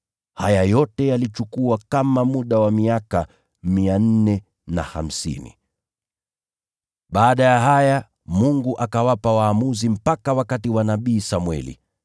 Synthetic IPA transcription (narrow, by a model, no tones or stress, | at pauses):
hajajɔtɛjalit͡ʃukuakamamuɗawamiaka | mian̩nɛ | na̰ha̰m̩sḭnḭ | ɓaːɗajaɦaja | muŋɡuʔakawapawaːmuzim̩pakawakatiwanaɓiːsamwɛ̰lḭ